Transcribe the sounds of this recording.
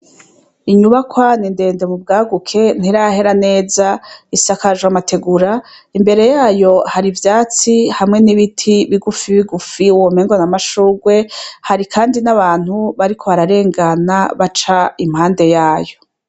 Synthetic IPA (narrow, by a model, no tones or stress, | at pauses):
iɲuβakwaninde̞ːnde̞mub̚ɡaːɡukʰe̞n̥iɾahe̞ɾane̞ːzaisakaʒwamatʰe̞ɡuɾa | imbe̞ɾe̞jaːjo̞haɾivjaːt͡sihamŋe̞niβitʰiβiɡufiβiɡufiuwomeŋɡonamaʃuːɡwe̞haɾikʰaːndinaβaːn̥huβaɾikʰo̞βaɾaɾe̞ːŋɡanaβat͡ʃaimhaːnde̞jaːjo̞